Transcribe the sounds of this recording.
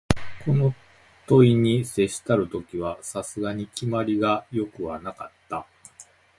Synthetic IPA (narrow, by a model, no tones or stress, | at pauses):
ko̞no̞ | t̪o̞iɲ̟ise̞ɕi̥t̪aɾɯ̟t̪o̞kʲiβ̞asasɨɡaɲ̟ikʲimaɾʲiɡajo̞kɯ̟βanakat̪ːa